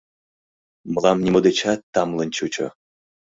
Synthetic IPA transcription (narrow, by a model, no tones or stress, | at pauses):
mɤ̆lɑmnʲimod̪et͡ɕɑt̪ːɑmlˠɤ̆nʲt͡ɕut͡ɕo̰